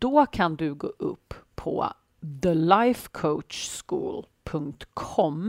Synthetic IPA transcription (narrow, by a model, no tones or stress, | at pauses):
d̪̥ɔkʰand̪ɵɡo̰ːʔɵ̰pʰːɔ̰ | ðəlajfkʰoʊtʃskṵːlpʰɵŋkt̪kʰɔm